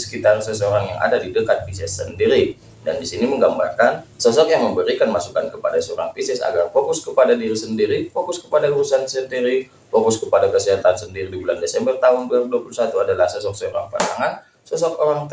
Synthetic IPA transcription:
sə̥kit̪arsəsəoɾaŋja̰ŋʔa̰dadidəkat̪̚pisɛsːəndiɾi | dandisiniməŋɡamba̰rkansəs̬ɔkjaŋməmbəɾikanmasukankəpadasəoɾa̰ŋpisɛsa̰ɡarfokʊskəpadadiɾisəndiɾifokʊskəpadauɾusansəndiɾi | fokʊskəpadakəsiɦat̪ansəndiɾidibulandesɛmbərt̪aɦʊnduaduapulusat̪uadalahsəsɔk̚səoɾaŋpəna̰ŋan | səsɔk̚oɾaŋt̪

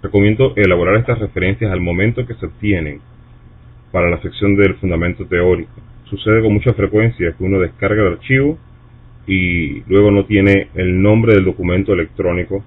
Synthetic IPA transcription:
reko̞mje̞nd̪o̞ʔe̞laβo̞ɾaɾe̞st̪asre̞fe̞ɾe̞nsjasalmõ̞mẽnt̪oke̞seoβ̚t̪je̞ne̞ŋ | paɾalaseksjo̞nd̪e̞lfund̪amẽnt̪o̞t̪e̞o̞ɾiko̥suse̞ð̞eko̞ŋmut͡ʃafɾe̞kwe̞nsjakeuno̞ðe̞skaɾɣaelaɾt͡ʃiβo | ilwe̞ɣ̞o̞no̞t̪je̞ne̞ːlnõ̞mbɾe̞ð̞ld̪o̞kumẽnt̪oe̞le̞k̚t̪ɾo̞niko̞

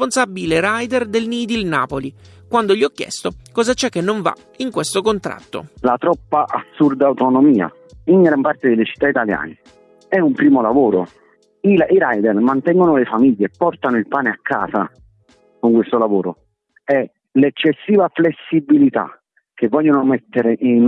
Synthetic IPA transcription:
ponsabːileɾajd̪ɛrd̪elniːd̪ilna̰ːpoli | kwand̪oʎiɔkːjɛ̰st̪okɔːzat͡ʃɛkːenːoɱva̰ | iŋkwest̪okont̪ɾa̰t̪ːo̰lat̪ɾɔpːaʔa̰sːurd̪aːwt̪onomiːa̰ | iŋɡɾampart̪ed̪elet͡ʃi̥t̪ːait̪alja̰ːne | ɛumpɾiːmolavoːɾo | iaiɾajd̪ɛrmant̪ɛŋɡonolefamiʎːepːɔrt̪anoilpaːneakʰːa̰ːsa | koŋkwest̪olavoːɾo | ɛ | lɛt͡ʃːesːiːvaflesːibilit̪a̰ | k̟ːevːɔʎːonomɛt̪ːeɾeʔin

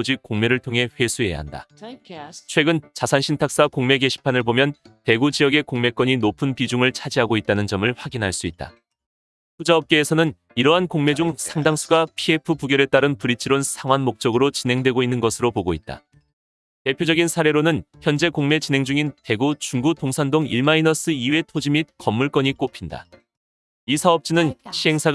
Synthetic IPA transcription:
od͡ʑik͈oŋme̞ɾɯɭtʰoŋɦe̞ɸwe̞sʰue̞ja̰ɦa̰nda̰ | t͡ɕʰwe̞ɡɯnt͡ɕasʰanɕʰintʰak̚s͈akoŋme̞ɡe̞ɕʰi̥pʰanɯɭbomjʌnte̞ɡud͡ʑijʌɡe̞koŋme̞k͈wʌɲinopʰɯnpid͡ʑuŋɯɭt͡ɕʰad͡ʑiɦaɡoit̚t͈anɯnd͡ʑʌmɯɭɸwaɡinɦaɭs͈uit̚t͈a̰ | pud͡ʑaʌp̚k͈e̞ːsʰʌnɯn | iɾʌɦankoŋme̞d͡ʑuŋsʰaŋdaŋsʰuɡapʰie̞pʰupuɡjʌɾe̞t͈aɾɯnpuɾit͡ɕʰiɾonsʰaŋwanmok̚t͡ɕ͈ʌɡɯɾot͡ɕinɦe̞ŋdwe̞ɡoinːɯnɡʌsʰɯɾopoɡoit̚t͈a̰ | te̞pʰjod͡ʑʌɡinsʰaɾe̞ɾonɯnçjʌnd͡ʑe̞koŋme̞t͡ɕinɦe̞ŋd͡ʑuŋinte̞ɡut͡ɕuŋɡutoŋsʰandoŋḭɭmainʌs͈ʰɯiwe̞tʰod͡ʑimit̚kʌmːuɭk͈ʌɲik͈opʰinda̰ | isʰaʌp̚t͡ɕ͈inɯnɕʰiɦe̞ŋsʰa

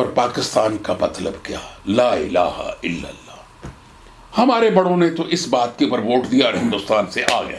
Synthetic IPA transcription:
ɔːɾpaːkɪst̪aːnkamɐt̪ləbkja̰ːlaːɪla̰ːha̰ɪlːə̰lːaː | hɐmaːɾebɐɽõnet̪oʔɪsbaːt̪̚keuːpəɾʋoːʈd̪ijaɔɾɦɪ̃nd̪ʊst̪aːnseʔaːɡɐ̰ja̰ː

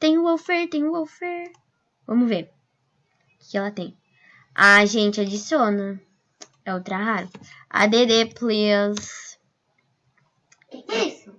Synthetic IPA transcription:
t̪ẽj̃ʊwowfeɾt̪ẽj̃wowfɛɾ | vɐ̃mʊzveɾ | ʊkɪ̥kɪɛlɐt̪ẽj̃ | aʒẽnt͡ʃɪad͡ʒisjõnɐ | ɛot̪ɾaɦaɾʊɐ̰d̪ed̪eplis | isʊ

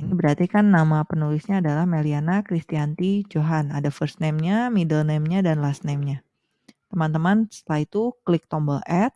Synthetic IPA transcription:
inibəɾat̪ikanːamapənulisɲaːdalahmelianakɾist̪iant̪id͡ʒoɦanadafərsnɛmɲamidəlnɛmɲadanlasnɛmɲa | t̪əmant̪əmansə̥t̪əlaɦit̪uklɪk̚t̪ɔmbəlɛt̪̚

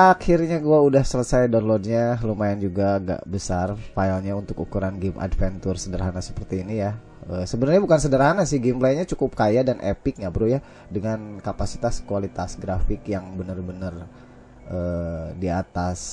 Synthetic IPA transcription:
akʰirɲaɡuaudahsələsajdanlɔd̚ɲalumaɪnd͡ʒuɡaɡa̰ʔbəsarfailɲaunt̪ʊkukuɾanɡɪmʔa̰dfɛnt̪ʊrsədərɦanasə̥pərt̪iːnija | əsəbənərɲabukansədərɦanasɪhɡɪmplajɲat͡ʃukʊp̚kajadanʔḛpɪk̚ɲabəɾuja | dəŋankapasi̥t̪askualit̪asɡɾafɪkjaŋbənərbənər | ʔəːdiat̪as

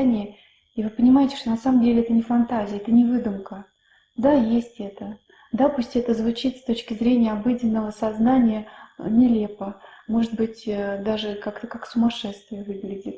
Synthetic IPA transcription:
nʲɪjə | ivɨpənʲɪmajɪtʲɪʂt̪onɐsaməmdʲelʲɪɛt̪ənʲɪfɐnt̪azʲɪjɛt̪ənʲɪvɨd̪ʊmkə | d̪ajesʲtʲɛt̪ə | d̪apusʲtʲɪɛt̪əzvʊt͡ɕit̪st̪o̞t͡ɕkʲɪzɾʲenʲɪjəɐbɨdʲɪnːəvəsɐznanʲɪjənʲɪlʲepəmo̞ʐɨt̪̚bɨtʲd̪aʐɨkakt̪əkaksʊmɐʂɛt̪st̪vʲɪjəvɨɡlʲɪdʲɪt̪

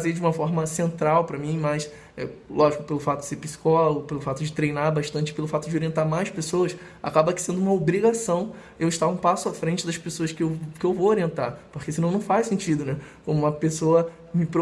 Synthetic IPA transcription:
zed͡ʒɪũmɐfɔɾmɐsẽnt̪ɾawpɾɐmĩmɐjs | ɛ̰lɔʒikʊ̥pelʊfat̪ʊd͡ʒɪ̥seɾpisi̥kɔlɐopelʊfat̪ʊd͡ʒɪt̪ɾejnaɾbaʃt̪ɐ̃t͡ʃɪ̥pelʊfat̪ʊd͡ʒɪoɾiẽnt̪aɾmajspesowɐs | a̰kabɐkɪ̥sẽnd̪ʊũmɐobɾiɡasɐ̃w̃ | ewɪʃt̪aũpasʊafɾẽt͡ʃɪd̪ɐspesoɐskɪewkɪewvowoɾiẽnt̪a̰poχkesɪnɐ̃w̃nɐ̃w̃fajsẽnt͡ʃid̪ʊnɛkõmʊũmɐpesoɐ | mɪpo

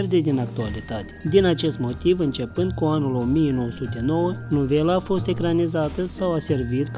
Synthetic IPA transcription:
rd̪e̞d̪inak̚t̪ualit̪at̪e̥d̪inat͡ʃe̞st̪mo̞t̪ivɨnt͡ʃe̞pɨnd̪̚kuanulo̞mijeno̞wəsut̪e̞no̞wənove̞laːfo̞st̪e̞kɾanizat̪əsawase̞rvit̪k

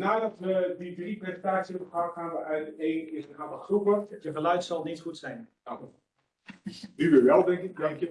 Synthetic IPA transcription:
naːdɔtʋədidriprezəntaːt͡sjəpəkaaːnʋəaeːnɪsəaːnʋəupəjəχəlœɥtsɔlˠnisxutsɛjn | a | dyʋəʋɛlˠdɛŋkɪk̚dɛŋkjə

